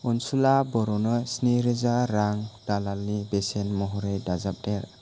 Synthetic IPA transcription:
unsulabɔɾɔnɔsniɾezaɾaŋdalalnibesenmɔɦɔɾejdazap̚deɾ

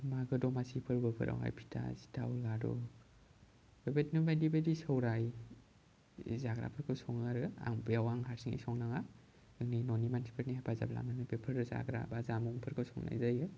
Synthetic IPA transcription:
maɡɯdɔmasipʰɯɾbɯpʰɯ̰ɾʔa̰wha̰jpʰi̥tʰa̰si̥tʰawlaɾɔ̰ | bebetnumajdibedisɯwɾaj | zaɡɾa̰pʰɯɾkʰɯwsɔŋaɾɯa̰ŋbijawaŋɦaɾsiŋḭjsɔŋnaŋa | ɯŋninɔnimansi̥pʰeɾnihapʰaza̰bla̰manɯbepʰɯɾza̰ɡɾa̰bazamuŋpʰɯɾkʰɯwsɔŋna̰jzajɯ

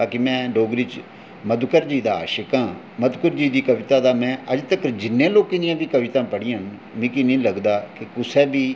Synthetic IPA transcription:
aːkɪmɛ̃ːɖoːɡɾit͡ʃ | məd̪kəɾd͡ʒiːd̪a̰ːʃəkãː | məd̪kəɾd͡ʒiːd̪iːkəʋɪt̪aːd̪aːmɛ̃ːəd͡ʒt̪əkd͡ʒɪnːẽːloːkẽːd̪ɪjãːbiːkəʋɪt̪ãːpəɽɪãːn | mĩːkɪnĩːləɡd̪aːkɪkʊsɛːbiː

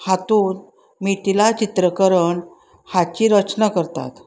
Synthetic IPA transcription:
hat̪uːn | miːt̪ilat͡ɕit̪ɾəkəɾəɳ | hat͡ɕiːɾət͡ɕnakəɾt̪a̰t̪

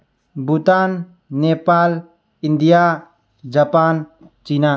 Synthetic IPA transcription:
but̪anː | epal | ind̪ija | d͡ʒapan | t͡ʃina

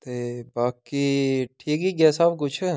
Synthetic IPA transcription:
t̪eːbaːkiʈʰiːkiːkɛːsaːbkʊt͡ʃʰː

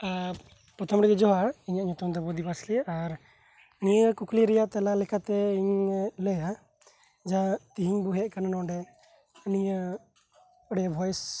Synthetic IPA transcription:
a | pɾɔt̪ʰɔmɾɛd͡ʒɛd͡ʒɔɦaɽiɲaʔɲɔt̪ɔmd̪ɔbɔd̪ibaslɛʔaɾ | nijəkukliɾɛjaʔt̪ɛlalɛkʰat̪ɛiɲlɛja | d͡ʒat̪iɦiɲbuɦɛʔkananɔ̃ɖɛ | nijə | ɔɽɛjabʱɔjs

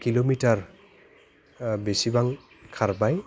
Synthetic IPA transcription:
kilomitaɹ | besibaŋ | kʰaɹbaj

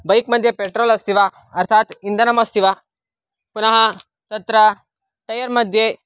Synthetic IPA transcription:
bɐjkmɐd̪ʱjepeʈɾoːlɐst̪ʰiʋa | ɐɾt̪ʰaːt̪ind̪ɐnɐmɐst̪ʰiʋa | punɐɦɐ | t̪ɐt̪ɾɐ | ʈɐjɐɾmɐd̪ʱje

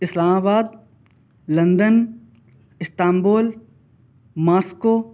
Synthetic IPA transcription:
ɪslaːmaːbaːd̪̚ | lɐ̃nd̪ən | ɪst̪aːmboːl | maːskoː

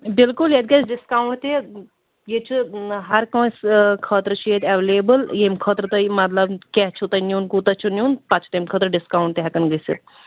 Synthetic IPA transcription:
bɪlkulet̪d̪̚ɡɐt͡ʃɖɪskaːuɳʈt̪e | jet͡ʃʰuɦɐɾkɐ̃ːskʰəːt̪ɾt͡ʃʰeːt̪ɛʋeleːbəljemkʰəːt̪ɾt̪əimɐt̪̬lɐbkɛɦt͡ʃʰut̪ɐnjunkut̪ɐt͡ʃʰunʲjuːnpɐt͡ʃʰt̪ɐmkʰəːt̪ɾɖɪskaːwũɳʈt̪eɦɐkɐnɡəsḭt̪

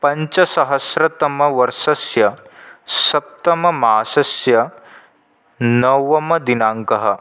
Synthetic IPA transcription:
pɐɲt͡ʃɐsɐɦɐsɾɐt̪ɐmɐʋɐɾʃɐsjɐ | sɐp̚t̪ɐmɐmaːsɐsjɐ | nɐʋɐmɐd̪inaːŋkɐɦɐ

